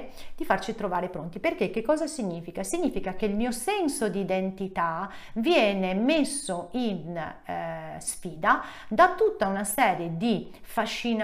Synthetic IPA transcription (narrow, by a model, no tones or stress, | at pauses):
d̪ifart͡ʃit̪ɾovaːɾepɾont̪iperk̟ek̟ːekːɔːzasiɲːiːfikasiɲːiːfikak̟elmiːosɛnsod̪id̪ent̪it̪avjɛːnemesːoin | sfiːd̪ad̪at̪ːut̪ːaunasɛːɾjed̪i | faʃːin